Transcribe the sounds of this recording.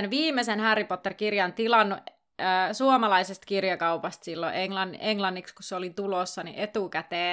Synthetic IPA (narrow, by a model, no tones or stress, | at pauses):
nʋiːmːesenhærːipot̪ːerkirjɑnt̪ilɑnːu | suomɑlɑisest̪kirjɑkɑupɑst̪silːo̰ʔeŋlɑneŋlɑnːikskusseolit̪ulosːɑnḭʔet̪ukæt̪eː